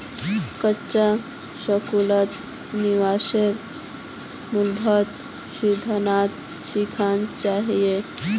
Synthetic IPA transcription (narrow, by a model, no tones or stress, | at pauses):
kəːt͡ʃa | səkulət̪ | niʋaseɾ | mulbʱət̪ | ɕid̪ʱənat̪ | ɕikʰant͡ʃaɦije